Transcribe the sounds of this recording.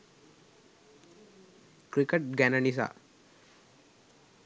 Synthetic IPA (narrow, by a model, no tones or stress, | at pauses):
kɾikeʈ̚ɡɛnənis̬a̰